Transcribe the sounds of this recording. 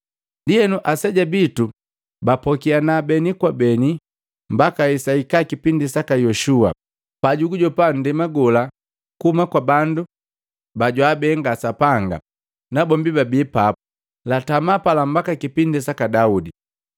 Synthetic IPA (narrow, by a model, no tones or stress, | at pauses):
ndiɛnuʔasɛɟabitu | bapɔkianabɛnikwabɛni | m̩bakaisaikakipindisakajɔʃua̰ | paɟuɡuɟɔpandimaɡɔla | kuhumakwabandu | baɟwabɛːŋɡasapaŋɡa̰ | nabɔmbibabiːpa | latamapalam̩bakakipindisakadaudi